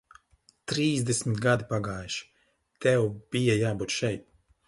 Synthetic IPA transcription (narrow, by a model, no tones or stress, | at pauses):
t̪ɾiːzd̪esʲmit̪ɡad̪ipaɡaːjʃi̥ | t̪ɛwb̥ijajaːbuːt̪ʃɛjt̪̚